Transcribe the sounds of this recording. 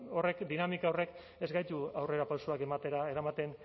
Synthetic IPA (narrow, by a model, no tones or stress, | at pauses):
o̞re̞kd̪inamikaore̞k | e̞zɡajt̪uawre̞ɾapawsoake̞mat̪e̞ɾaeɾamat̪e̞n